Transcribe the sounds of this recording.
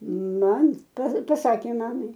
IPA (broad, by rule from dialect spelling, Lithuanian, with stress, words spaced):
ˈmɐm pɐ pɐˈsɑːkʲeː ˈmɑːmɐɪ